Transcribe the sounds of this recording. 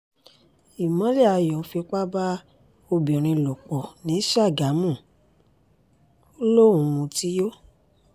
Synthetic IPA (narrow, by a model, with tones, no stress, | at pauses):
i˨mɔ̃˨˦lɛ˦˨a˨˧jɔ̃˨˦fi˧k͡pa˦ba˦ | o˧bĩ˨ɾ̃ĩ˧˨lo˨k͡pɔ˨nĩ˨˦ʃa˦˨ɡa˨˦mũ˦˨ | o˦lo˦ũ˨ũ˧ti˦jo˦